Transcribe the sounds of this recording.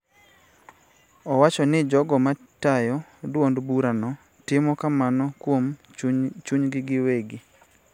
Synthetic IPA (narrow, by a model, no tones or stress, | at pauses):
ɔwat͡ʃɔnɪd͡ʒɔɡɔma | tajɔdwondbuɾanɔ | tɪmɔkamanɔkwom | t͡ʃuɲɡɪɡɪweɡɪ